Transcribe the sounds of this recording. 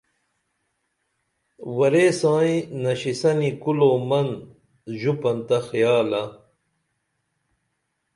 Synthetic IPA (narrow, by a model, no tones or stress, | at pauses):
wɐɾeːsãːĩnɐɕisɐnikuloːmɐn | ʑupɐnt̪ɐxijaːlɐ